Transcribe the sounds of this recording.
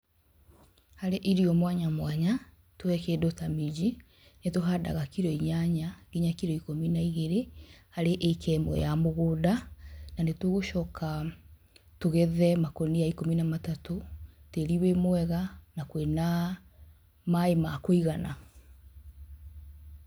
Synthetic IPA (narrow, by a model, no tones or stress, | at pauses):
haɾeʔiɾiɔmwaɲamwaɲa | twɛkɛdotamid͡ʑi | netoɦada̰ɣakiɾɔiɲaɲaɣ̥iɲakiɾɔikominaiɣeɾehaɾeʔekʰɛmo̰jamoɣoːdananetweɣoʃɔːkʰa | toɣɛðɛmakonijaikominamatatoteɾiwemwɛɣanakwena | maemakoiɣana